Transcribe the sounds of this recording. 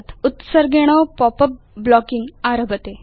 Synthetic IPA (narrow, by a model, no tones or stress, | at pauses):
t̪ut̪səɾɡeɽ̃ɔwpɔpə | blɔkiŋɡaɾɐbʱət̪e